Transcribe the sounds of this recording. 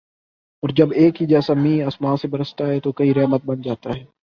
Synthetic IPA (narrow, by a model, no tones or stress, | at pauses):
ɔːɾd͡ʒɐbeːkɦid͡ʒɛːsamĩːaːsmãːsebɐɾəst̪aɦɛt̪okɐiɾɛːmət̪̚bɐnd͡ʒaːt̪aɦɛː